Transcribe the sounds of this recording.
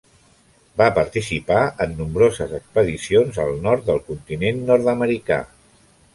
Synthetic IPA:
bapəɾt̪isipaənːumbɾozəzəkspəðisionzəlˠnɔɾt̪̚d̪əlˠkunt̪inenːɔɾt̪əməɾika̰

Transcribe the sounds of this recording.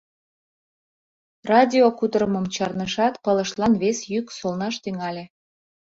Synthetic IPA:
rɑdʲiokud̪əɾəmə̆mt͡ɕɑrnəʃɑt̪pələʃlɑnβesjyksolˠnɑʃt̪yŋɑlʲe

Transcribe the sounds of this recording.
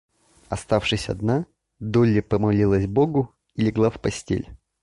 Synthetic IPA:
ɐst̪afʂɨsʲɐ̰d̪na | d̪olʲːɪpəmɐlʲilˠəsʲboɡʊ | ilʲɪɡlˠafpɐsʲtʲḛlʲ

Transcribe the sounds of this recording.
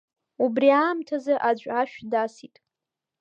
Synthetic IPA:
ubriaːmtʰazaʔad͡ʒʷʼaʃᶣdasitʼ

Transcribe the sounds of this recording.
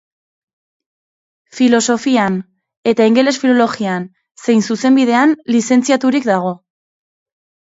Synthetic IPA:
filo̞so̞fian | e̞t̪aiŋɡe̞le̞sfilo̞lo̞ɣian | se̞jnsuse̞mbiðe̞anlise̞nt͡siat̪uɾikd̪aɣ̞o̞

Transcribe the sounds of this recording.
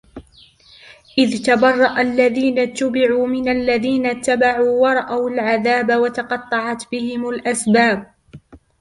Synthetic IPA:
ʔɪðt̪abɑrˤːɑʔalːaðiːnat̪ːabɪʕuːmɪnalːaðiːnat̪ːabaʕuːwɑɾˤɑʔawalʕaðaːbawat̪ɑqɑt̪ˤːɑʕɑt̪bɪhɪmalʔasbaːb̚

